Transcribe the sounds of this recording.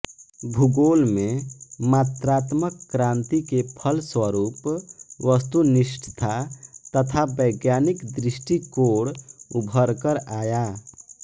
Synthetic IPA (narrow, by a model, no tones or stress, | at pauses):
bʱuɡolmẽmat̪ɾaːt̪məkːɾãnt̪ikepʰəlswəɾuːpʋəst̪uniʃʈʰt̪ʰat̪ət̪ʰabəɪɡjanikd̪ɾɪsʈikoːɽubʱəɾkəɾaːja